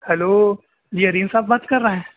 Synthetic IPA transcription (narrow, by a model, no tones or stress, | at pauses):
hɛloː | d͡ʒiːɦɐɾiːnsaːbbaːt̪kɐɾːɐɦɦɛ̃ː